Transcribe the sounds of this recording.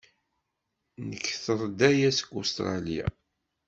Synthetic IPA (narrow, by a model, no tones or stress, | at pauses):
nəkːθəɾˤd̪æjæsə̥kːust̪ɾˤɑ̰lija̰